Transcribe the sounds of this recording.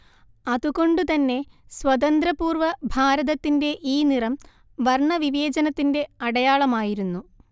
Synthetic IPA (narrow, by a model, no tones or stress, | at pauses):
ɐðuɣo̞ɳɖut̪ɐnːe̞swɐðɐnd̪ɾɐpuːrʋɐbʱaːɾɐðɐt̪ːinde̞ʔiːnirɐm | ʋɐrɳɐʋiʋe̞ːd͡ʑɐnɐt̪ːinde̞ɐɽɐjaːɭɐmaːjiɾunːu